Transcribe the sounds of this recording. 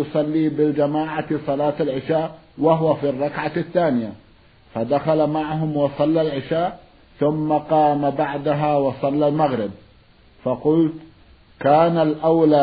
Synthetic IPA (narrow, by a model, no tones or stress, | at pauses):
ʊsˤɑlːiːbɪd͡ʒamaːʕasˤɑlaːt̪alʕɪʃaːʔwaɦwafirˤːɑkʕaθːaːnɪja | fad̪axalamaʕɦʊmwɑsˤɑlːalʕɪʃaːʔ | θʊmːaqɑːmabaʕd̪aɦawɑsˤɑlːalmaɣɾɪb̚ | fɑqʊlt̪ | kaːnalʔawlaː